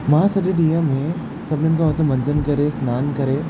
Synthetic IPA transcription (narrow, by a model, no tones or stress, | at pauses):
mãːsɐɗẽɗijãmẽ | sɐbʱnənɪkʰaɐt̪ʰomɐ̃nd͡ʒənkɐɾesnaːnkɐɾeː